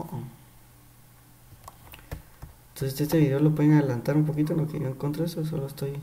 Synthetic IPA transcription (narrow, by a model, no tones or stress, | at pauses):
oʔo | nt̪osest̪est̪eβiɾolopweeŋaðelant̪aɾumpokit̪̬oenlokeoeŋkont̪ɾaesos̬oloest̪oj